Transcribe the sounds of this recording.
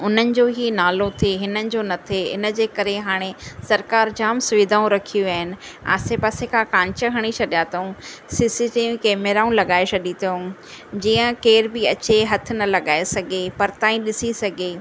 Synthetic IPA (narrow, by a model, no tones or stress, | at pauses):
ʊn̤ənɪ̆d͡ʑoːɦinaːlot̪ʰeɦɪnənɪ̆d͡ʑoːnɐt̪ʰeɪ̰nə̆d͡ʑeːkɐɾeɦaːɽ̃esɐɾkaːɾd͡ʑaːmsʊʋɪd̪ʱaːũɾɐkʰijuaːɦɪnɪ̆a̰ːsepaːsekʰãkãːɲt͡ɕəɦɐɽ̃it͡ɕʰɐɗijaːt̪oũsiːsiʈiːʋkʰemeːɾaːũlɐɠaːesʰɐɗit̪ʰõd͡ʑiːə̃keːɾbɪɐt͡ɕeɦɐt̪ʰɪ̆nɐlɐɠaːesɐɡʱepɐɾt̪ãːĩɗɪsisɐɡʱeː